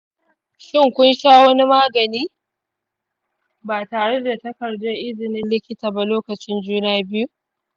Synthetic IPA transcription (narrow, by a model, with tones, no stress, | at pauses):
ʃɪ˦˨ŋkʷʊ˦nʃaː˦wɐ˦ni˦maː˦ɡɐ˨niː˦ | baː˨taː˨ɽe˦da˨tɐ˦kɐ˨rdʊ˦ʔɪ˦zɪ˨nɪ˦nlɪ˦kʲɪ˦taː˨ba˨loː˦kɐ˨t͡ʃɪ˦nd͡ʒuː˦naː˦bɪ˦ju˦